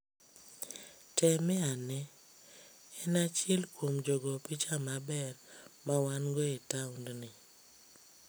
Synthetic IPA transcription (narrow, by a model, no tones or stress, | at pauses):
tɛmɛanɛ | ɛnat͡ʃɪlkwomd͡ʒɔɡɔpit͡ʃamabɛrmawanɡoetaundnɪ